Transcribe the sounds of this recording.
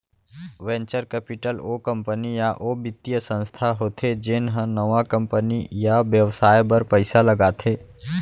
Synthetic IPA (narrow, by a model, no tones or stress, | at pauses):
ʋɛ̃ːɲt͡ʃəɾkɛːpɪʈəlokə̃mpənijaʔoːbɪt̪ijəsə̃nst̪ʰaɦoːt̪ʰed͡ʒɪnɦə̃nəʋakə̃mpənḭjaʋjəʋsaːjbəɾpəɪsaləɡaːt̪ʰeː